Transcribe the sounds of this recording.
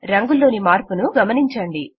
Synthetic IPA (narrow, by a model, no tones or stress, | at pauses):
ɾɐŋɡulːo̞ːnimaːɾpunuɡɐmɐniɲt͡ʃɐɳɖi